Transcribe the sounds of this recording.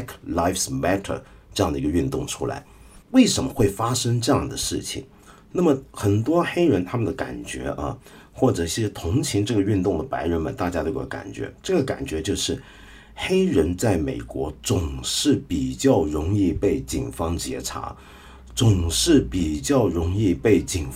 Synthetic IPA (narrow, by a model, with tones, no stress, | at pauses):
kʰla˥ɪfsmɛ˥t̪ʰə̰˨˩ | ʈ͡ʂɤ˥˧ɑ˥˩ŋd̪ə˩i˧˥ɡə˧y˥˧nt̪ʊ˥˩ŋʈ͡ʂʰṵ˥la̰˧˥ɪ | we˥˩ɪʂə˧˥nmə˧xwe˥˩ɪfa˥ʂɤ˥ŋʈ͡ʂɤ˥˧jɑ˥˩ŋd̪ə˩ʂɻ̩˥˩t͡ɕʰḭ˨˩ŋ | na˥˩mə˩xə˨˩nt̪wɔ˥xe˥ɪɻə˧˥nt̪ʰa˥mə˨nd̪ə˩ka̰˨˩nt͡ɕɥɛ̰˧˥ʔə̰˧ | xwɔ˥˩ʈ͡ʂɤ˨˩i˥˩˥ɕjɛ˥t̪ʰʊ˧˥ŋt͡ɕʰi˧˥ŋʈ͡ʂɤ˥˩ɡə˩y˥˧nt̪ʊ˥˩ŋd̪ə˩pa˧˥ɪɻə˧˥nmə̰˨˩nt̪a˥˩t͡ɕja˥t̪o˥kka̰˨˩nt͡ɕɥɛ̰˧˥ʈ͡ʂɤ˥˩ɡə˩ka̰˨˩nt͡ɕɥɛ˧˥t͡ɕjo˥˧ʊʂɻ̩˥˩ | xe˥ɪɻə˧˥nt͡sa˥˩ɪme˨˩ɪkwɔ˧˥t͡sʊ˨˩ŋʂɻ̩˥˩pi˨˩t͡ɕjɑ˥˩ʊɻʊ˧˥ŋi˥˧pe˥˩ɪt͡ɕḭ˨˩nfɑ˥ŋt͡ɕjɛ̰˧˥ʈ͡ʂʰa̰˧˥ | t͡sʊ˨˩ŋʂɻ̩˥˩pi˨˩t͡ɕjɑ˥˩ʊɻʊ˧˥ŋi˥˧pe˥˩ɪt͡ɕi˨˩n